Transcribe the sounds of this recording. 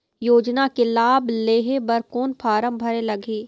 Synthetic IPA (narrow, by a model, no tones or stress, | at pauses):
joːd͡ʒnakelaːbleːɦebɐɾkoːnpʰaːɾə̃mbʱɐɾelɐɡeː